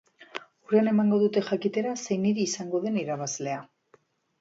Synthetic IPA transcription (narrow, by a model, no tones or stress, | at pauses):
urane̞maŋɡo̞ðut̪e̞xakit̪e̞ɾase̞jniɾiːsaŋɡo̞ðe̞niɾaβazle̞a